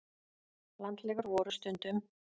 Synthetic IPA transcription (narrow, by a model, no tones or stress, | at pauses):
lant̪lɛːɣʏɾvɔːɾʏst̪ʏnt̪ʏm